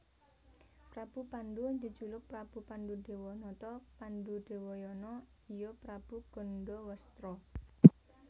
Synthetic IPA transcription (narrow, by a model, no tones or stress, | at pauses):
pɾab̥upand̪und̪i̤d̥d͡ʒulʊk̚pɾab̥ṳpandude̤wɔnɔt̪ɔpanduɖ̥e̤wɔjɔnɔ | ijɔpɾab̥uɡ̥ɔ̤ndɔwəst̪ɾɔ